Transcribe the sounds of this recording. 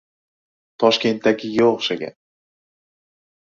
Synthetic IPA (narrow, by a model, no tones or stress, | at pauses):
t̪ʰɒʃkʲe̞nt̪ːaɡʲɪɡʲaoχʃaɡʲa̰